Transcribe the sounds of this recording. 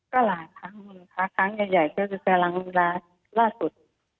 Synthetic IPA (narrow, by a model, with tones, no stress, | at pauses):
ka˧˩laː˨˦jkʰa˦˥ŋ˧˩na˦˩kʰa˦˥kʰa˦˥ŋjaː˨˩ja˨˩jpʰɯː˧˩˨kka˧la˧˥ŋ˧laː˧˥ | laː˥˩su˨˩t̪̚